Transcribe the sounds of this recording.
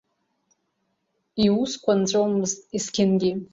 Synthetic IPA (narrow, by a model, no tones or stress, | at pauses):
iuskʷʰant͡ɕʷʼowmɨztʼiskʲʰɪnɡʲi